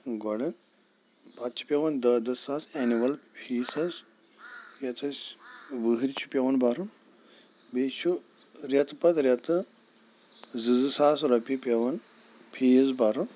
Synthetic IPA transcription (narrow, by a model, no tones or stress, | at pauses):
ɡɔɽɐn | bat̪̚t͡ʃʰi̥pʲɐʋɐnd̪ɐd̪ɐsaːsenimɐlpʰiːsɐz | jɐt̪ʰɐsʲʋɨɦɨɾit͡ʃʰu̥pʲɐʋɐnbaɾun | bet͡ʃʰu | ɾʲɐt̪pɐt̪ɾʲjɐt̪ɨ | zɨzɨsaːsɾɐpʲipʲɐʋɐn | pʰijzbaɾun